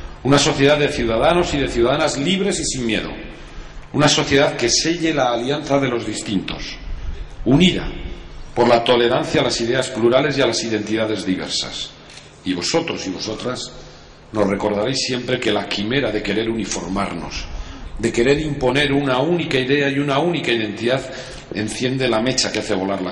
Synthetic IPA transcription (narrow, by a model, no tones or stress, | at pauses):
unaso̞θje̞ð̞aððe̞θjuðaðano̞siðe̞θjuðaðanazliβ̞ɾe̞sisiŋmje̞̰ðo̰ | unaso̞θje̞ð̞aðke̞se̞ʝe̞laːljanθaðe̞lo̞zðist̪int̪o̞̰s | uniða̰po̞ɾlat̪o̞le̞ɾan̟θjalasiðe̞aspluɾale̞sjalasiðe̞nt̪iðaðe̞zðiβe̞̰ɾsa̰s | iβ̞o̞so̞t̪ɾo̞siβo̞so̞t̪ɾas | no̞sre̞ko̞ɾð̞aɾe̞jsːje̞mpɾe̞ke̞lakime̞ɾaðe̞ke̞ɾe̞ɾunifo̞̰ɾmaɾno̞̰sd̪eke̞ɾe̞ɾimpo̞ne̞ɾunaunikaiðe̞ajunaunikaiðe̞nt̪iðað | e̞nθje̞nd̪e̞lame̞t͡ʃakeaθe̞β̞o̞laɾla